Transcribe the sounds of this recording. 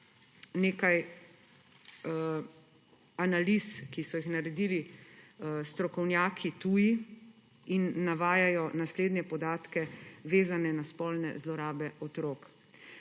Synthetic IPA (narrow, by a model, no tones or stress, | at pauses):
neːkaj | analiskisɔjixnaɾɛd̪iːli | st̪ɾɔkɔwnjaːkʰit̪uːji | inːaʋaːjajɔnasleːd̪nʲɛpɔd̪aːt̪kɛʋeːzanɛnaspɔlnɛ̰zlɔɾaːbɛʔɔt̪ɾoːk